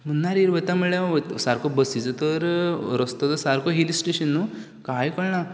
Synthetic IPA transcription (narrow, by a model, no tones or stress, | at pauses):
m̤ənːaɾiɾʋət̪aməɭẽʋət̪saɾkʰobəsit͡sət̪əɾɾəst̪ot̪əsaɾkʰoɦilisʈeɕənːu | kajkəɽɳa